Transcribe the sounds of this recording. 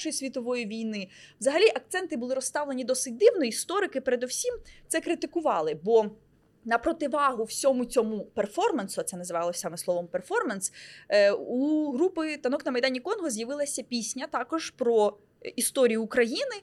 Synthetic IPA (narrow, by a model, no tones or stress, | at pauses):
ʃɔjisʲʋʲit̪ɔʋɔjiʋʲijnɪʋzɐɦɐlʲiʔɐk̚t̪sɛnt̪ɪbʊlˠɪɾɔst̪ɑʋlˠenʲid̪ɔsɪt̚ʲd̪ɪwnɔist̪ɔɾɪkɪpeɾed̪ɔwsʲimt̪sɛkɾɪt̪ɪkʊʋɑlˠɪbɔ | nɐpɾɔt̪ɪʋɑɦʊw̥sʲɔmʊt͡sʲɔmuperfɔrmɐnsʊɐt̪sɛnɐzɪʋɑlˠɔsʲɑmɛslˠɔʋɔmperfɔrmɐns | uɦɾupɪt̪ɐnɔknɐmɐjd̪ɑnʲikɔnɦɔzʲjɐʋɪlˠɐsʲɐpʲisʲnʲɐt̪ɑkɔʒ̥pɾɔ | ist̪ɔɾʲijʊːkɾɐjinɪ